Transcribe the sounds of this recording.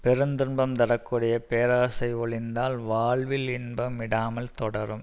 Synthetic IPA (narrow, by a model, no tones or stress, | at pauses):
pɛɾɯnd̪ɯɳbɐmt̪ɐɽɐkːuɽɐjɐpeːɾaːsɐɪɔɭɪnd̪aːlʋaːɭʋɪlɪnbɐmːɪɽaːmɐlt̪ɔɽɐɾɯm